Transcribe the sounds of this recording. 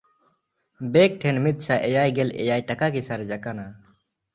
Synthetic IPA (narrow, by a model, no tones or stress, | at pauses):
bɛk̚ʈʰɛnmit̪̚saʔɛjajɡɛlɛ̰jajʈakakisaɾɛd͡ʒakana